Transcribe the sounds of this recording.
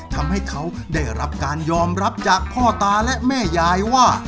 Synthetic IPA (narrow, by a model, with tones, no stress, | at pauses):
t̪ʰa˧mha˥˩jkʰa˦˥wda˥˩jɾa˦˥p̚kaː˧njɔː˧mɾa˦˥p̚t͡ɕaː˨˩k̚pʰɔː˥˩t̪aː˧lɛ˦˥ʔmɛː˥˩jaː˧jwaː˥˩